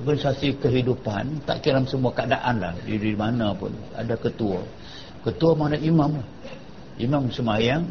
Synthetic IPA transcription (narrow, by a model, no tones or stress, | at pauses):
ɔrɡanisasikəɦidupant̪a̰ʔkilamsəmuakadaʔanla̰hdiɾimanapʊ̰n | a̰dakət̪uə̰ | kət̪uəmanaʔimamlah | imamsəmajaŋ